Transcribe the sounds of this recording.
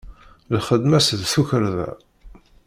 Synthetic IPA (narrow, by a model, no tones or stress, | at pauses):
lχəd̪mæsðθuçəɾðæ̰